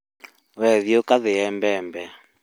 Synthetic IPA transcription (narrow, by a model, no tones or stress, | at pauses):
βɛðjokaðeɛmbɛmbɛ